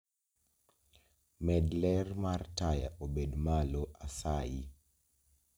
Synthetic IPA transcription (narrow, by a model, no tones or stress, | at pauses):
mɛdlɛrmartaja̰ʔobedmaloʔasaji